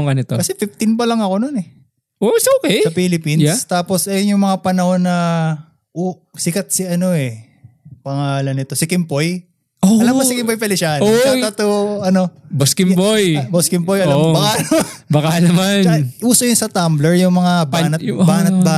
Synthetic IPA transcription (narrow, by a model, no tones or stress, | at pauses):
ŋɡɐnɪt̪okɐsɛfift̪ɪnpɐlɐŋɐko̞nonɛ | ʔosoːkɛsɐpilɪpinst̪aːpo̞sʔɐjonjʊŋmɐŋapɐnɐho̞nːɐ | ʔo | sɪkɐt̪̚sɪɐno̞ʔɛ | pɐŋaːlɐnːɪt̪o̞sɪkɪmpoj | oɐlɐmɐsɪkɪmpojpɛlɪʃanaɐt̪oɐno̞boskɪmbojboskɪmbojʔɐlambɐkanobɐkanɐmanʔuːsɐjʊnsɐt̪amblɛɹjʊŋmɐŋabanɐt̪baːnɐt̪̚ba